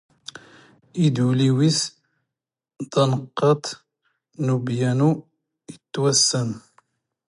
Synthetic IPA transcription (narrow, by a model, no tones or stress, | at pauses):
id̪uliwis | d̪ɑnəqːɑt̪ | nubjænu | jət̪ːwæsːən